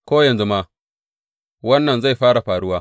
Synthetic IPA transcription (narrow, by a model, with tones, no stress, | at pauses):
kʷoː˦jɐ˨nzu˦maː˦ | wɐ˦nːɐ˨nza˦˨jɸaː˦ɽa˨ɸaː˨ɽʊ˦waː˦